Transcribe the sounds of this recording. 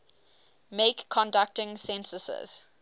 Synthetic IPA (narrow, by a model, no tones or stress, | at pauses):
meɪkʰːɔ̃ndak̚tɪ̃ŋsɛ̃nsəsə̰z̥